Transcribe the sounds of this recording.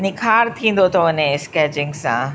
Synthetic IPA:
nɪkʰaːɾt̪ʰĩːn̆d̪ot̪ʰoɐnẽɪskɛːt͡ɕɪ̃ŋɡsã̰

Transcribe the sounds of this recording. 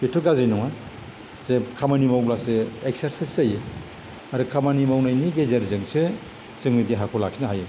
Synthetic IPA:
kitʰɯɡazinɔŋa | zekʰamanimawblasɯek̚seɾsiszaje | aɾɯkʰamanimawnajniɡezeɾzɯŋsɯ | z̥ɯŋmidiɦakʰɔlak̚sinaɦaje

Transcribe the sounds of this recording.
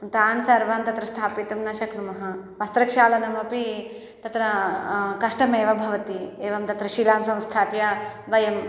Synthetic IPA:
t̪aːnsɐɾʋaːmt̪ɐt̪ɾɐst̪ʰaːpit̪ɐmnɐʃɐknumɐɦɐʋɐst̪ɾɐkʃaːlɐnɐmɐpi | t̪ɐt̪ɾɐkɐʂʈɐmeːʋɐbʱɐʋɐt̪ieːʋɐmt̪ɐt̪ɾɐʃiːlaːmsɐ̃w̃st̪ʰaːpjɐʋɐjɐm

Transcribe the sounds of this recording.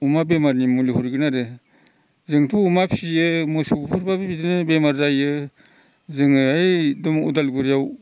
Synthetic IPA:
umabemaɾnimulihuɾɡɯnaɾɯ | zɯŋtʰuːmapʰijɯmɯsubupʰuɾbabibidɯnɯbemaɾzajɯ | zɯŋɯajdɔmṵdalɡuɾjaw

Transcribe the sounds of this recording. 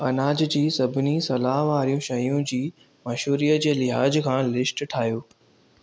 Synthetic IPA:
ɐnaːd͡ʑd͡ʑiːsɐbʱɪnisɐlaːɦʋaːɾijũʃɐjũd͡ʑiː | mɐʃuːɾijəd͡ʑeːlɪɦaːd͡ʑkʰãːlɪsʈʈʰaːɦjoː

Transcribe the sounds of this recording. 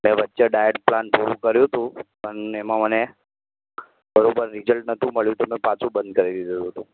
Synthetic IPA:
mɛ̃ʋətːʃeɖajəʈ̚planpuɾũkəɾjũɦt̪ũ | ənɛmãməne | bəɾobəɾːid͡ʑəlʈ̚nət̪ũməɭjũt̪omɛ̃pat͡sũbənd̪̚kəɾelid̪uɦət̪ũ

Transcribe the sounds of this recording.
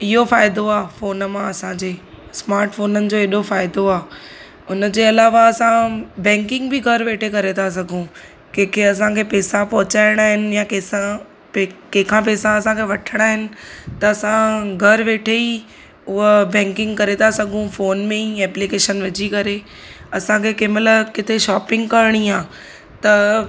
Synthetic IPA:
ɪɦofaːɪd̪oaːfoːnmãɐsãd͡ʑeː | smaːɾʈfoːnənɪ̆d͡ʑoːeːɗofaːɪd̪oaː | ʊnəd͡ʑeːɐlaːʋaɐsãbɛ̃ːŋkɪ̃ŋɡbɪɡʱɐɾʋeːʈʰekɐɾet̪ʰas̬ɐɡʱũ | kẽɦkʰeɐs̬ãkʰepɛːsãpɐɦʊt͡ɕaːɪɽ̃aːɦɪnɪ̆jãkeːsã | pkẽɦɪkʰãp̬ɛːsãɐsãkʰeʋɐʈʰəɽ̃aːɦɪnɪ̆t̪ɐːsãɡʱɐɾʋeːʈʰei | ʊɦbɛ̃ːŋkɪ̃ŋɡkɐɾet̪ʰasɐɡʱũfoːnmẽiɛːplikeːʃənʋɪd͡ʑikɐɾe | ɐsãkʰekɪmələkɪt̪ʰeʃaːpɪ̃ŋɡkɐɾɽ̃iaː | t̪ɐ

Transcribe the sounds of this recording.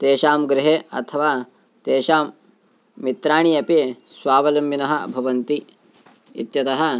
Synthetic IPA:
t̪eːʃaːmɡɾɪɦeːɐ̰t̪ʰɐʋaː | t̪eːʃaːmː | it̪ɾaːɳijɐpesʋaːʋɐlɐmbinɐɦɐbʱɐʋɐnt̪i | ḭt̪jɐt̪ɐɦɐ̆

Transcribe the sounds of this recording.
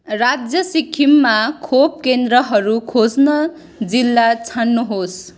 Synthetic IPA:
rad͡zjʌsikʰimːakʰop̚kend̪rʌɦʌɾukʰod͡znʌ | d͡zilːat͡sʰanːuɦos

